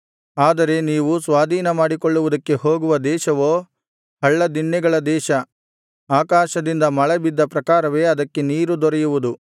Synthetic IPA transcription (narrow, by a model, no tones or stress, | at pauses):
aːd̪ɐɾe̞niːʋusʋaːd̪ʱiːnɐmaːɽikoɭːuʋud̪ɐkːe̞ho̞ːɡuʋɐd̪ɛːʃɐʋo̞ː | hɐɭːɐd̪iɳːɛɡɐɭɐd̪ɛːʃɐ | aːkaːʃɐd̪ind̪ɐmɐɭɛbid̪ːɐpɾɐkaːɾɐʋe̞ːɐd̪ɐkːe̞niːɾud̪ɔɾɛjuʋud̪u